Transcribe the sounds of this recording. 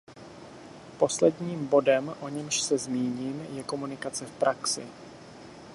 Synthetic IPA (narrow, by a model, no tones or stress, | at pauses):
po̞slɛdɲiːmbo̞dɛmʔo̞ɲɛmʃsɛzmiːɲiːmjɛko̞munɪkat͡sɛfpɾʔaksɪ̰